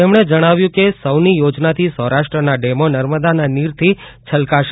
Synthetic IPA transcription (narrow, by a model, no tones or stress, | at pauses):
emɽ̃ed͡ʒəɽ̃aʋjũkesəwnijod͡ʒnat̪ʰisə̃ɦɾaʃʈɾənaɖemonəɾməd̪ananiɾt̪ʰit͡ʃʰəlkaʃ